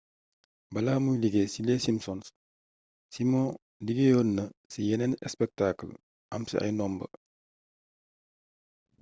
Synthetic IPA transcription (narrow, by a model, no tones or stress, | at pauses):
bɐlaːmujliɡesilɛsimsɔns | simɔ̃ | liɡejɔːnːɐsijɛnɛnɛ̰spɛk̚takl | ʔɐ̰msḭʔɐ̰jnɔmbə̰